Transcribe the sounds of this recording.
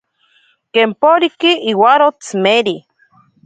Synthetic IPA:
keːmpoɾikiʔiwaɾot͡smeɾi

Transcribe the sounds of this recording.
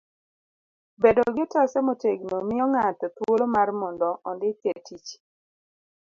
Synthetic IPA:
bedoɡɪtɔsɛmoteɡnomɪjɔŋatɛt̪wolomarmɔndɔʔɔndɪt̪etit͡ʃ

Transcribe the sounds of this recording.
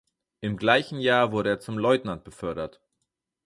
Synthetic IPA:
ʔɪmɡlaɪçn̩jaːɐvʊɐɾəeːɐt͡sʊmlɔʏtnant̚b̥əfœɐɾɐt

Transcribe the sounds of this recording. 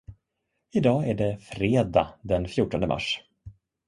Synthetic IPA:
ɪd̪ɑːæɖɛfɾeːd̪ad̪ɛnfjʊːʈːɔnd̪əmʔa̰ʂ

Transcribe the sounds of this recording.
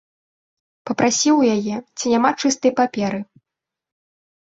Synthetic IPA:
pɐpɾasʲiwjajɛt͡sʲinʲamat͡ʂɨst̪ɐjpapʲɛɾɨ

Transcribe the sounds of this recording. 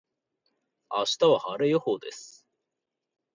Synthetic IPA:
a̰ɕi̥t̪aβahaɾejohoːd̪e̞sɨ̥

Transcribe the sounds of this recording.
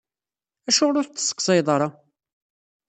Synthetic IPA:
æʃʊɾʊɾt̪ːə̥sːə̥kːsˤɑjðˤɑɾˤɑ

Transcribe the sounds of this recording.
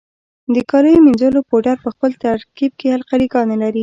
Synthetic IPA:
d̪əkɑləjominzəlopoʈaɾpəxpəlt̪aɾkib̚kealqaɾiɡɑnalaɾi

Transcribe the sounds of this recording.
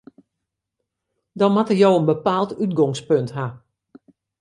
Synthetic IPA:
dɔnmatərjowənbəpaːlˠtytɡɔŋspøntɦa

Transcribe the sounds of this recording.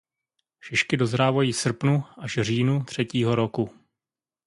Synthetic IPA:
ʃɪʃkɪdo̞zɾaːvajiːsr̩pnuʔaʃr̝iːnut̪r̝̥ɛciːɦo̞ɾoku

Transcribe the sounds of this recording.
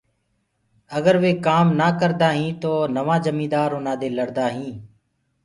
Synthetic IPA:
əɡəɾʋeːkaːmnaːkəɾd̪aːɦĩːt̪oːnəʋãːd͡ʒəmĩːd̪aːɾʊnãːd̪eːləɽd̪aːɦĩː

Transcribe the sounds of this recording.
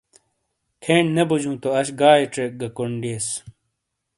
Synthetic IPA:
kʰeːɳnebud͡ʑũːt̪oɐɕɡaːiʈ͡ʂek̚ɡɐkoɳɖeːs

